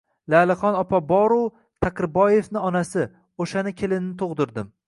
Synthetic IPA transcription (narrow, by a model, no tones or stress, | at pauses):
laːlɪχɒnɒpʰabɒɾu | t̪ʰakʲɾɪbɒje̞vnɪɒnasɪ | oʃanɪkʲʰelɪnnɪt̪ʰoʁd̪ɪɾd̪ɪm